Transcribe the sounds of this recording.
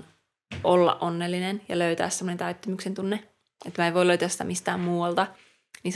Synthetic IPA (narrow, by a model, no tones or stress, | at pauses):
ʔolːɑ̰ʔʔonːelːinenjɑløyt̪æ̰ːssemːonent̪æyt̪ːømyksent̪unːe | et̪ːmæːeiʋoiløyt̪æːsi̥t̪æ̰mist̪æːmmuːɑlt̪ɑ | niːn